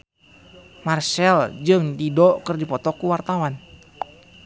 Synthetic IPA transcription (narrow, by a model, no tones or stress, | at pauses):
marsɛld͡ʒɨŋdidɔkərdipɔt̪ɔkuwart̪awan